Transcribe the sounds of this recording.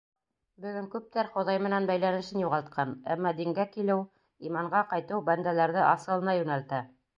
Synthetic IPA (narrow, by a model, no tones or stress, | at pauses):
bɵ̆ɡɵŋkʉp̚t̪æɾχŏðɑjmɘ̆nænbæjlænɘ̆ʃɘnjuʁɑlˠt̪̚qʰɑnæ̰mːɑd̪iŋɡækilɘw | imɑɴɢɑqɑjt̪ɤwbænd̪ælæɾðɘʔɑsɤ̆lˠɤ̆nɑjʉnælt̪æ